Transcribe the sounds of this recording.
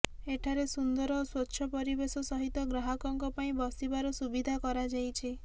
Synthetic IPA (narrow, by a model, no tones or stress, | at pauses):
eʈʰaɾesund̪ɔɾɔswotːʃʰɔpɔɾibesɔsɔɦit̪ɔɡɾaɦɔkɔŋkɔpaĩbɔsibaɾɔsubid̪ʱakɔɾad͡ʒajt͡ʃʰi